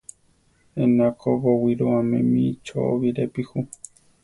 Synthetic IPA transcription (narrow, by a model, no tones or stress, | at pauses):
ẽnakʰoβowiɾoamẽmĩt͡ʃo̰o̰βiɾepihu